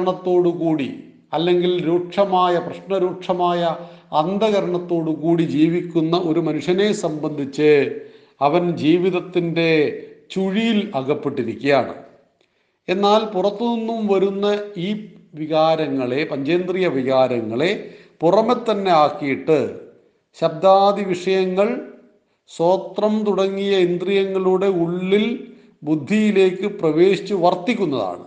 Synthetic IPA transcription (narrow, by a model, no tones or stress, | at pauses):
ɳɐt̪ːo̞ːɽukuːɽi | ɐlːe̞ŋɡilɾuːʈʂɐmaːjɐprɐɕnɐɾuːʈʂɐmaːjɐːnd̪ɐɣɐɾɐɳɐt̪ːo̞ːɽukuːɽid͡ʑiːʋikʲːunːɐʔo̞ɾumɐnuʂjɐne̞sɐmbɐnd̪ʱit͡ɕːɨ | ɐʋɐnd͡ʑiːʋiðɐt̪ːinde̞t͡ɕuɻijilɐɣɐpːeʈːiɾikʲːijaːɳɨ̰ | e̞nːaːlpurɐt̪ːɨninːumʋɐɾunːɐiː | ʋiɣaːɾɐŋːɐɭe̞pɐɲd͡ʑɐjːnd̪rijɐʋiɣaːɾɐŋːɐɭe̞ | purɐmet̪ːɐnːe̞aːkːijiʈːɨ | ɕɐb̚d̪aːd̪iʋiʂɐjɐŋːɐɭ | so̞ːt̪rɐmt̪uɽɐŋːijɐend̪rijɐŋːɐɭuɽe̞uɭːil | bud̪ʱːijile̞ːkːɨprɐʋe̞ːɕit͡ɕːɨʋɐrt̪ːikʲːunːɐða̰ːɳɨ̰